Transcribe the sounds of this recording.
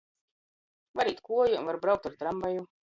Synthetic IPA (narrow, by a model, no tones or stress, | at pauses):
vaɾiːt̪kuɔjṵvaɾbɾawk̚t̪aɾt̪ɾambaju